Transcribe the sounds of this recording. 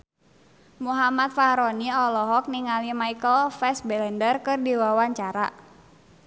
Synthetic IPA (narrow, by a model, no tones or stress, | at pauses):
muɦamat̪̚fahɾɔniɔlɔɦɔk̚niŋalimaikəlfɛsbɛlɛndərkɨrdiwawaɲt͡ʃaɾa̰